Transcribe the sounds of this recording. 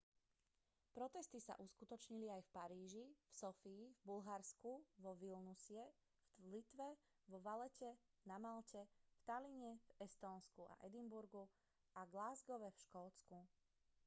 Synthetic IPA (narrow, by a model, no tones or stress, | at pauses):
pɾɔt̪ɛst̪isa̰ʔuskut̪ɔt͡ʃɲiliajfpaɾiːʒifsɔfiːvbulɦaɾskuʋɔʋilnusɪɛ | lit̪ʋɛ | ʋɔʋalɛcɛ | namalcɛft̪aliɲɛvɛst̪ɔːnskua̰ʔɛd̪imbuɾɡu | aɡlaːzɡɔʋɛfʃkɔːt͡sku